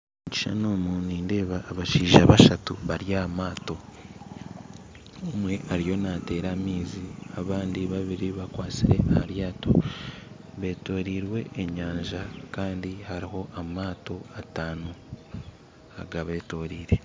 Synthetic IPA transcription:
uci̥ʃanomuniːnde̞ːβaːβaʃiːʒaβaʃatṵβaɾjamaːto̞ | omwe̞ʔaɾijo̞nate̞ːɾamiːziaβaːndiβaβiɾiβakwaːt͡siɾe̞ʔahaɾjaːto̞̰ | βe̞ːto̞ːɾiːɾwe̞ʔːɲaːɲʒakaːndihaɾiɦo̞ʔamaːto̞ataːnu | a̰ɡaβe̞ːto̞ːɾiːɾe̞

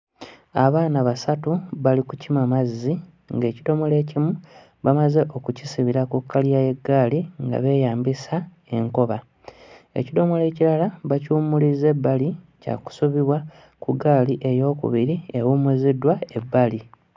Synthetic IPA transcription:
aβaːnaβasatuβalikucimamazːi | ŋɡe̞ːcido̞mo̞le̞ːcimu | βamaze̞ʔo̞kucisiβiɾakukːalijaje̞ɡːaːliŋɡa̰βe̞ːjaːmbisa | e̞ŋko̞βa | e̞̰cido̞mo̞le̞ːciɾalaβacuːmulize̞bːali | ca̰ku̥suβiβwa | kuɡaːliʔe̞jo̞ːkṵβiɾie̞wumuzidwae̞bːali

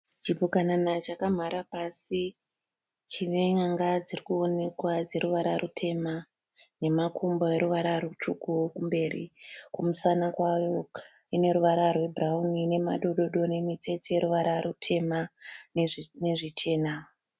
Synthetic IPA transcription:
t͡ʃipukananat͡ʃakam̤aɾapasi | t͡ʃine̞ŋaŋɡad͡zirikuo̞ne̞kwad͡ze̞ɾuʋaɾarutʰe̞ma | ne̞makumboeɾuʋaɾarut͡ʃukukumbe̞ːrḭkumusanakwajo | ine̞ɾuʋaɾarwe̞braunine̞ma̰ɗo̞ɗo̞ɗo̞ne̞mit͡se̞t͡sejeɾuʋaɾarutʰe̞ma | neʐit͡ʃʰe̞ːna

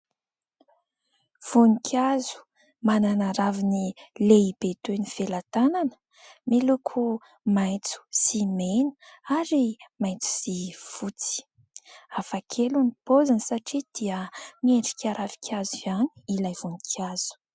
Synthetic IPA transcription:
v̥unikʲʰazu̥ | mananaɾavinileibet̪enifelat̪ananə̥ | melukʰu | majt͡su̥simenə̥aɾimajt͡su̥sifut͡si̥ | afakʰelunipozansaʈ͡ʂid̪̥iəmieɳɖ͡ʐi̥kʰʲaɾavi̥kʲʰaziani̥ilajv̥unikʲʰaz̥u̥

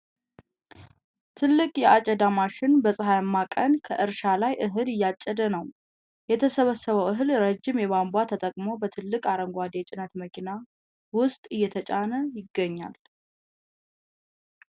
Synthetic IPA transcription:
t̪ʰɨlːɨkʼjɛʔat͡ʃʼɛd̪amaʃɪnbəsʼɨɦajmːakʼənkʰə̰ʔɨɾʃalajʔɨɦɨlɨjːat͡ʃʼːɛd̪ənəw | jɛt̪ʰəsəβəsəβəwʔɨɦɨlɾəd͡ʒːɪmjɛβambwat̪ʰət̪ʼəkʼmobət̪ʰɨlːɨkʼaɾəŋɡʷad̪et͡ʃʼɪnət̪məkʰina | wʊst̪ʼɨjːɛt̪ʰət͡ʃʼanəjɪɡːəɲːa̰l

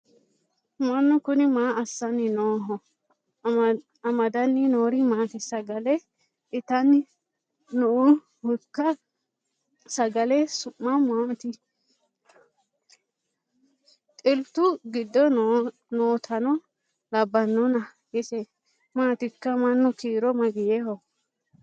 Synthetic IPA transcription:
mɐnːʊkʊnɪmaːɐsːɐnɪnoːɦɔ | ɐmɐd̪ɐnːɪnoːɾɪmaːt̪ɛsɐɡɐlɛ | ɪt̪ɐn | nɔʊ | hʊkːɐ | sɐɡɐlɛsʊmːɐmaːt̪ɪ | t̪ʼɪlt̪ʊɡɪd̪ːɔ | noːt̪ʰɐnɔ | lɐbːɐnːɔnɐ | jɛsɛ | maːt̪ɪkːɐmɐnːʊkiːɾɔmɐɡɪjɛhɔ

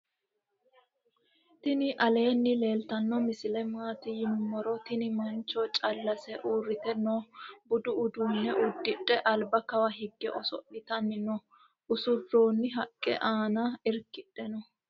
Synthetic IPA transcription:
t̪ɪnɪʔɐle̞ːnːɪle̞ːlt̪ɐnːɔmɪsɪlɛmaːt̪ɪjɪmːɔɾɔt̪ɪnɪmɐnt͡ʃːɔt͡ʃʼɐlːɐsɛʔuːrːɪt̪ɛnːɔbʊd̪ʊʊd̪uːnːɛʔʊd̪ːɪᶑɛʔɐlbɐkɐwɐɦɪɡːɛʔɔsɔ̰ʔɪt̪ɐnːɪnɔ | ʔʊsʊrːo̞ːnːɪɦɐkʼːɛ̰ʔaːnɐɪɾkɪᶑːɛnɔ

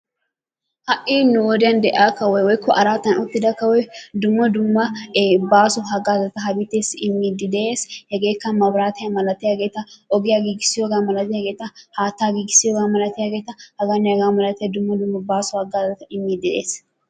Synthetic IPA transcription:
hɐʔiːnʊwɔd̪ɪjɐnd̪ɛʔaːkɐwɔjwɔjkːɔʔɐɾaːt̪ːɐnʊt̪ːɪd̪ɐkɐwɔjd̪ʊmːɔd̪ʊmːɐbaːsɔɦɐɡaːzɐt̪ɐɦɐbɪt̪ːeːsɪmːiːd̪ɪd̪e̞ːshɛɡe̞ːkːɐnmɐbɾaːt̪ɪjɐmɐlɐt̪ɪjaɡeːt̪ɐʔɔɡɪjaɡiːɡɪsɪjoɡaːmɐlɐt̪ɪjɐɡe̞ːt̪ɐhaːt̪ːaːɡiːɡɪsɪjoːɡaːmɐlɐt̪ɪjaɡeːt̪ɐhɐɡɐnɛjɐɡaːmɐlɐt̪ɪjɐd̪ʊmːɔd̪ʊmːɐbaːsɔhɐɡaːzɐt̪ɐɪmːid̪ɪd̪e̞̰ːs

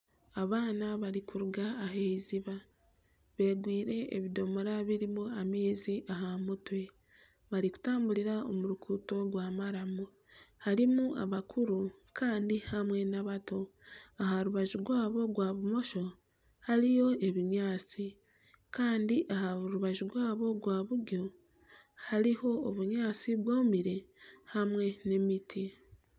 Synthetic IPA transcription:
aβaːnaβaɾikuɾuɡaːɦeiziβa | βe̞ːɡwiːɾe̞̰ːβido̞moɾaβiɾimuameːziʔaɦamutwe̞ | βaɾiku̥taːmbuliɾao̞̰muɾukʰuːto̞ɡwaːmaɾamu | haɾimua̰βakʰuɾukaːndihamwe̞naβato̞aɦaɾuβaʒuɡwaːβo̞ɡwaːβumo̞ʃo̞ | haɾijo̞e̞βiɲaːt͡si | kaːndiʔahaɾuβaʒuɡwaːβo̞ɡwaːβuɡo̞ | haliho̞ːβuɲaːt͡siβwoːmiɾe̞hamwe̞ne̞mitʰi

